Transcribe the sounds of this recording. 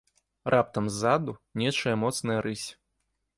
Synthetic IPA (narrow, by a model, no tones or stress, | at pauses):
rʔap̚t̪ɐmzːad̪unʲɛt͡ʂɐjɐmɔt̪snɐjɐɾʔɨsʲ